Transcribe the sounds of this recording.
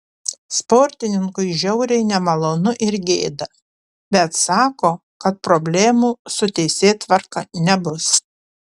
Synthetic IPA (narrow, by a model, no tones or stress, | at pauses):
spoːɾʲt̪ʲɪnʲɪŋkʊɪʒʲɛʊɾʲɛɪnʲɛmɐlˠoːnʊʔɪɾɡʲeːd̪ɐ | bʲɛt̪sɑːkoːkɐt̪̚pɾobʲlʲeːmuːsʊt̪ʲɛɪsʲeːt̪ʋɐɾkɐnʲɛbʊs